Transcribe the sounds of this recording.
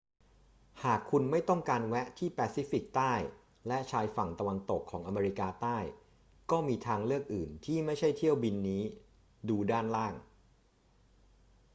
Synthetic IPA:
haː˨˩kʰːu˧nma˥˩jt̪ɔ˥˩ŋkaː˧nwɛ˦˥ʔt̪ʰiː˥˩pɛː˧siː˨˦˥fi˨˩k̚t̪aː˥˩j | lɛ˦˥ʔt͡ɕʰaː˧jfa˨˩ŋt̪a˧wa˧nt̪o˨˩kʰːɔː˩˦ŋʔa˧meː˧ɾi˧˥kaː˧t̪aː˥˩j | kɔː˥˩miː˧t̪ʰaː˧ŋlɯ˥˩ək̚ʔɯː˨˩nt̪ʰiː˥˩ma˥˩jt͡ɕʰa˥˩jt̪ʰi˥˩əwbi˧nːiː˦˥ | duː˧daː˥˩nlaː˥˩ŋ

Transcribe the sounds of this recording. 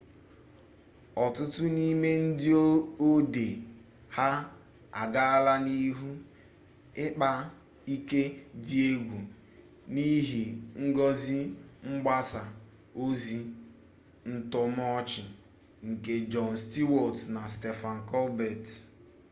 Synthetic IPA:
ɔ˨tʊ˦tʊ˦ni˦me˦n̩˦dɪ˦o˦o˦de˨ | ha˦ | a̰˨ɡa˦a˦la˦ni˦ɦu˦ | ɪ˦k͡pa˦ | i˦ke˦di˦e˦ɡʷu˨ | ni˦ɦi˨ŋ̩˦ɡɔ˦zi˦ŋ͡m̩˦ɡ͡ba˦sa˨ | o˦zi˦ | n̩˦tɔ˦m˦ɔ˦t͡ʃɪ˨ | ŋ̩˨ke˨d͡ʒɔ˨n˨sti˦wɔ˨tna˨stɛ˨fa˨ŋ̩˨kɔ˦lbɛ˨t

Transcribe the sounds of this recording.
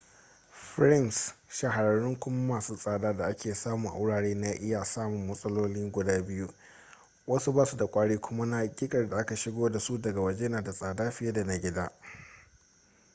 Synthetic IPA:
ɸɾɪ˦msʃa˨ɦa˨ɾɐ˨ɽʊ˦ŋkʷʊ˦m˦maː˨suː˦sʼaː˨daː˦da˨ʔa˦kʲeː˨saː˦mʊ˨ŋʔa̰˨wʊ˦ɽaː˨ɽeː˦na˦ʔɪ˦jaː˨saː˦mʊ˨mːɐ˦sʼɐ˦loː˦lɪ˦ŋɡʷʊ˨daː˦bɪ˦ju˦ | wɐ˦su˦baː˦su˨da˨kʷʼaː˦ɽeː˦kʷʰʊ˦ma˦na˦ɡʲɪ˦kʼɐ˨rda˨ʔa˦ka˨ʃɪ˦ɡoː˦da˨su˦dɐ˨ɡa˨wɐ˨d͡ʒe˦jnaː˨da˨sʼaː˨daː˦ɸɪ˦je˦da˨na˦ɡʲɪ˦daː˦

